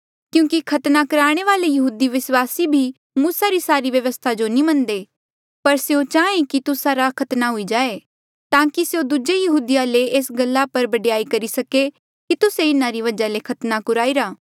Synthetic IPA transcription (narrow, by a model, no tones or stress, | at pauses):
kjũːkikʰɐt̪nakɐɾaːɽ̃eʋaːlejɐɦuːd̪iʋɪswaːsibʱi | muːsaɾisaːɾiʋjɐʋəst̪ʰad͡ʒonĩmɐ̃nd̪eː | pɐɾseot͡ʃaːẽkit̪ʊsaɾakʰɐt̪naɦʊid͡ʒaːe | t̪ãːkiseod̪ud͡ʒejɐɦuːd̪ijaleeːsɡɐlːapɐɾbɐɖjaːikɐɾisɐke | kit̪ʊseɪnãɾiʋɐd͡ʒalekʰɐt̪nakʊɾaːiɾaː